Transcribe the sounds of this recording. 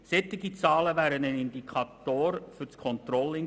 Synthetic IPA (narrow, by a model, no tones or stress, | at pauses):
sɛt̪ːɪɡit͡sɑːləʋæːɾənənɪnd̪ikʰɑt̪oːɾfʏt͡skʰɔnt̪rɔlːɪ